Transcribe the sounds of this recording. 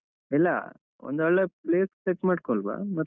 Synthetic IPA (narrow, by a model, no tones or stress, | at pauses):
ɛlːɐ̰ | ɔ̰nd̪ɔɭːepleːsseʈmaːɽkoɭba̰ːmɐ